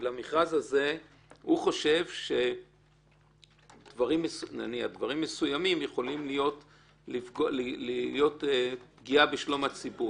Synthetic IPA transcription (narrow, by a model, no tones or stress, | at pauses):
lamiχazhaze̞ | huχo̞ʃe̞vʃe̞ | d̥vaʁimːesuna̰nia̰dvaʁimːesujamimjeχo̞limlijo̞t | lifɡollijo̞tepɡiabeʃlo̞mat͡sibu